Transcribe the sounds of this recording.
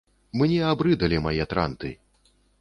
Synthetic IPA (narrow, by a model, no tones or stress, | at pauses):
mɨnʲɛabɾɨd̪ɐlʲimajɛt̪ɾa̰nt̪ɨ̰